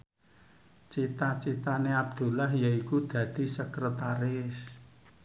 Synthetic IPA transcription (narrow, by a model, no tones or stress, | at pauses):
t͡ʃit̪at͡ʃit̪aneab̚d̪̥ṳlaɦjaikud̪̥ä̤d̪̥i̤səkɾət̪aɾɪs